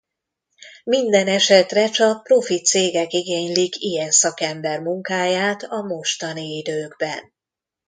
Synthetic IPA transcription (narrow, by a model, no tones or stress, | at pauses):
mind̪ɛnɛʃɛt̪rɛt͡ʃɒk̚pro̞fit̪seːɡɛkiɡeːɲlikijɛnsɒkɛmbɛrmuŋkaːjaːt̪ɒmo̞ʃt̪ɒniid̪øːɡbɛ̰n